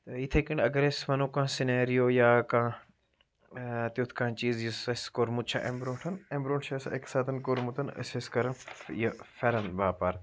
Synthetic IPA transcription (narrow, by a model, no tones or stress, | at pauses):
t̪ɐit̪ʰekiɳɐɡɐɾesʋɐnũːkãːsineːɾijoːjaːkãː | t̪ut̪ʰkãːt͡ʃiːzjisɐskoɾmut̪̚t͡ʃʰa̰ʔembɾoːʈʰɐnembɾõːɳʈʰt͡ʃʰɐseksaːt̪ʰɐnkoɾmut̪ɐnɐ̰seskɐɾɐnjɐfɐɾɐnbaːpaːɾ